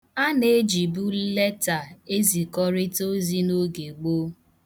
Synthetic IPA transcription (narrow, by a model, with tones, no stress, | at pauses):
a˦ne˦d͡ʒi˨bu˦le˦ta˨e˦zi˨kɔ˦ɾɪ˦to˦zi˦no˦ɡe˨ɡ͡bo˦